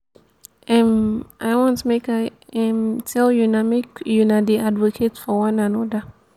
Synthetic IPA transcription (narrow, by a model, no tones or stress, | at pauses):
ɛ̃mʔaɪwɔ̃ntmekaɛ̃mtʰɛljunamekjunadeadvɔkʰetfɔwãnãnɔdə